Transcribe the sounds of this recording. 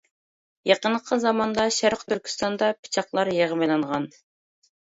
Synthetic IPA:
jɑqənqʰəzɑmɑnd̪ɑʃæɾqt̪ʰyɾkʲʰi̥st̪ɑnd̪ɑpʰi̥t͡ʃʰɑqlˠɑɾjeʁəmelˠɑɴʁɑn

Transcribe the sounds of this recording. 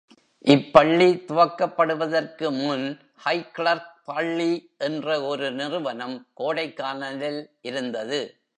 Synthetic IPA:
ʔɪpːɐɭːit̪ʊʋɐkːɐpːɐɽɯʋɐðɐrkɯmʊn | hɐɪkɭɐɾtpɐɭːiʔɛndrɐɔɾɯnɪrɯʋɐnɐmkoːɽɐɪkːaːnɐlɪlʔɪɾɯnd̪ɐðɯ

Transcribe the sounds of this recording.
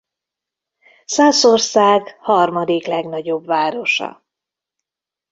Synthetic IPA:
saːso̞rsaːɡhɒrmɒd̪iklɛɡnɒɟo̞bvaːɾo̞ʃɒ̰

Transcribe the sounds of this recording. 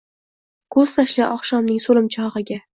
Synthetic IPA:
kʰɵz̥t̪ʰaʃlɪʔɒχʃɒmnɪŋsolɪmt͡ʃʰɒʁɨɡʲa

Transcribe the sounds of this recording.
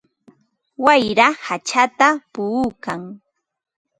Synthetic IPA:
wajɾahat͡ʃat̪apʊukaŋ

